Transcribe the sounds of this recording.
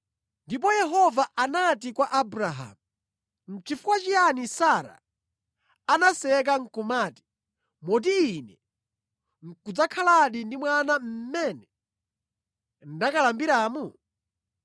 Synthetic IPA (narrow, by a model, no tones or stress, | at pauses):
ndip̬ɔjɛɦɔvaʔanatikwaʔabɾaɦa̰mu | m̩t͡ʃifukwat͡ʃijanisaɾa̰ | anasɛɛk̬aŋ̩kumaːti̥ | mɔt̬iːnɛ | ŋ̩kud͡zakʰalaɗindimwanam̩mɛːnɛ | n̩dakalambiɾaːmu